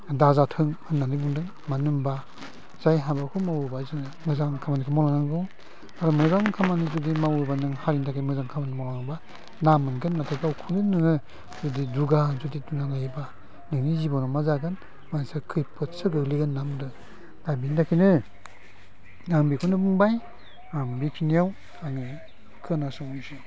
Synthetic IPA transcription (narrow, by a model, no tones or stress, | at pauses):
dazatʰɯŋhɯnːanɯbuŋdɯŋ | manɯmba | zajɦabakʰɯmawɯbazɯnɯmɯzaŋkʰamanikʰɯmɔlaŋaŋɡɔw | aɾɔmɯzaŋkʰamanizudimawubanɯŋhaɾindakʰimɯzaŋkʰamanimɔlaŋba | namɯnɡɯnːatʰajbawkʰunɯnːɯŋɯ | z̥udiduɡazudidunanajba | nɯŋnizibɔnɔmazaɡan | mansakʰɯjpʰɯtsɯɡɯɡliɡanːamdɯ | dabintʰakʰinɯ | naŋbikʰunɯbɯŋbaj | ambikʰinijaw | aŋɯ | kʰɯnasuŋisi